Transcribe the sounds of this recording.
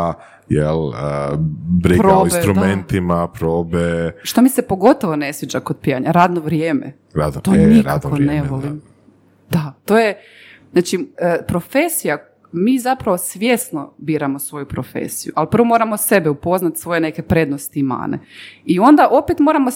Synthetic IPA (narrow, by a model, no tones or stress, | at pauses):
jeləbɾipɾoinbest̪ɾumment̪imapɾoːbeʃt̪omisepo̞ɡo̞t̪o̞ʋone̞sʋʲjed͡ʑakod̪̚pijaɲaɾaːd̪noʋɾjeːmḛ | ɾa̰d̪not̪oniɾaoneʋolim | d̪̥at̪o̞ːje | znat͡ʃiəpɾo̞fe̞sija | miːzapɾaʋo̞sʋje̞snobiːɾamosʋo̞jupɾofḛsijuʔalpɾr̩ʋo̞mo̞ːɾamose̞beupo̞znat̪sʋo̞jene̞ke̞pɾe̞d̪nost̪iːma̰ːnḛio̞nd̪aʔo̞pet̪moɾamo